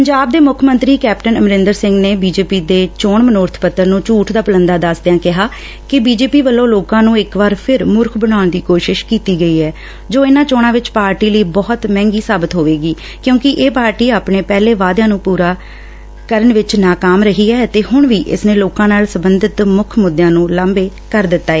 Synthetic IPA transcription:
pəɲd͡ʒaːb̚d̪eːmʊkʰmə̃nt̪ɾiːkɛːpʈənəmɾɪ̃nd̪əɾsɪ̃ŋɡneːbiːd͡ʒeːpiːd̪eːt͡ʃoːɳmənoːɾt̪ʰpət̪ːəɾnũːt͡ʃuːʈʰd̪aːpələnd̪aːd̪əsd̪ejãːkɪɦaː | kɪbiːd͡ʒeːpiːʋəlːõːloːkãːnũːɪkʋaːɾpʰɪɾmʊɾkʰbəɽ̃aːʊɳd̪iːkoːʃɪʃkiːt̪iːɡəiːɛː | d͡ʒoːɪnãːt͡ʃoːɳãːʋɪt͡ʃpaːɾʈiːləiːbɔːt̪mɛ̃ːŋɡiːsaːbət̪ɦoːʋeːɡiː | kjõːkɪʔeːpaːɾʈiːaːpɳeːpɛːleːʋaːd̪ãːnũːpuːɾaː | kəɾəɳʋɪt͡ʃnaːkaːmɾəɦiːɛːt̪eːɦʊɳʋiːʔɪ̰sneːloːkãːnaːlsəbənd̪ɪt̪mʊkʰmʊd̪jãːnũːlaːmbeː | kəɾd̪ɪt̪ːaːeː

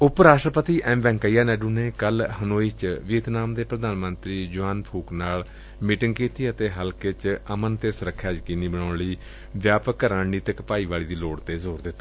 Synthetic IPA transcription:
ʊpɾaːsʈɾəpət̪iːʔɛ̃ːmbɛ̃ːŋkaiːaːnɛːɖuːneːkəlhənoːiːt͡ʃʋiːt̪naːmd̪eːpɾəd̪aːnmə̃nt̪ɾiːd͡ʒʊaːnpʰuːknaːl | miːʈɪŋɡkiːt̪iːət̪eːɦəlkeːt͡ʃəmənt̪eːsʊɾəkʰːjaːt͡ʃkɪniːbəɳaːɳliː | ʋjaːpəkːəɾaːɳiːt̪əkpaːiːʋaːliːd̪iːloːɽt̪eːzoːɾd̪ɪt̪ːaː

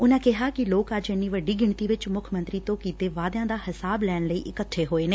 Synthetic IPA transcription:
ʊnãːkɪɦaːkɪloːkəd͡ʒɪnːiːʋəɖːiːɡɪɳt̪iːʋɪt͡ʃmʊkʰmə̃nt̪ɾiːt̪õːkiːt̪eːʋaːd̪jãːd̪aːhɪsaːblɛːnləḭːʔɪkəʈʰːeːɦoːeːneː

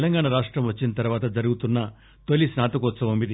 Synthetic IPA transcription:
lɐŋɡaːɳɐɾaːʂʈɾɐmʋɐt͡ʃːinɐt̪ɐɾuʋaːt̪ɐd͡ʒɐɾuɡut̪unːɐ | t̪olːisnaːt̪ɐkuʋɔt̪sɐmomid̪i

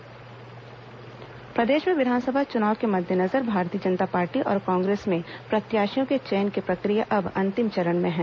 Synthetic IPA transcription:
pɾɐd̪eːʃmẽʋɪd̪ʱaːnsəbʱat͡ʃʊnaːwkemɐd̪ʱjənɐzəɾbʱaːɾt̪ijəd͡ʒɐnt̪apaːɾʈiʔɔ̰ːɾkɔ̃ːŋɡɾeːsmẽpɾɐt̪jaːʃijõket͡ʃeːnkepɾɐkɾijaʔɐbɐ̃nt̪ɪmt͡ʃɐɾənmẽɦɛ̃ː

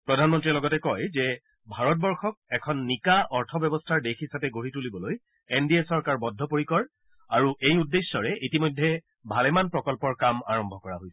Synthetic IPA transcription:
pɹɔdʱanmɔntɹiɛlɔɡɔtɛkɔjzɛ | bʱaɹɔt̚bɔɹxɔk̚ɛkʰɔnːikaʔɔɹtʰɔbjɔbɔstʰaɹdexisapɛɡoɹitulibɔloj | endiesɔɹkaɹbɔdʱːɔpoɹikɔɹ | aɹuʔejudːesːɔɹɛʔitimojdʱːɛ | bʱalɛmanpɹɔkɔlpɔɹkama̰ɹɔmbʱɔkɔɹaɦojsɛ

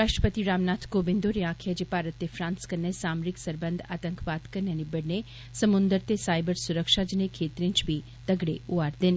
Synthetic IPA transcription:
ɾaʃʈɾəpət̪iɾamnat̪ʰkobɪnd̪oɾiakʰad͡ʒepaɾət̪ːefɾãːnskəɾnesamɾiksəɾbənd̪ʱa̰ːt̪əŋkʰʋat̪kəɾnenibəɽne | səmʊnd̪əɾt̪esajbəɾsuɾəkʃad͡ʒənekʰeːt̪ɾĩɲt͡ʃbʱi | d̪̥əɡɽeuaɾd̪en

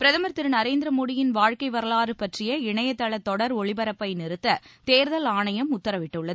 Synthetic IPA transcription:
pɪɾɐðɐmɐɾt̪ːɪɾnɐɾeːnd̪ɾɐmoːɽɪjɪnʋaːɻkɐɪʋɐɾɐɭaːɾɯpɐʈrɪjɐɪɳɐjɐt̪ːɐɭɐt̪ːɔɽɐɾɔɻɪbɐɾɐpːɐɪnɪɾɯt̪ːɐt̪eːɾðɐlaːɳɐjɐmʊt̪ːɐɾɐʋɪʈːɯɭːɐðɯ

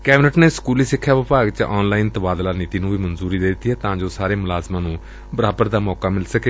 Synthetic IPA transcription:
kɛːbɪnəʈneːskuːliːsɪkʰːjaːʋɪpaːɡt͡ʃʔɔːnlaːint̪əbaːd̪laːnit̪iːnũːʋiːmənzuːɾiːd̪eːd̪ɪt̪iːɦɛːt̪ãːd͡ʒoːsaːɾeːmʊlaːzmãːnũː | bəɾaːbəɾd̪aːmɔːkaːmɪlsəkeː

